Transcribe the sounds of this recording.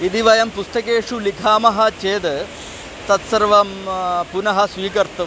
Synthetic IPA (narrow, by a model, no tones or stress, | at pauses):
id̪iʋɐjɐmpust̪ɐkeːʂulikʰaːmɐɦɐ̆t͡ʃeːd̪ | t̪ɐt̪sɐɾʋɐmpunɐɦɐ̆sʋiːkɐɾt̪ɐ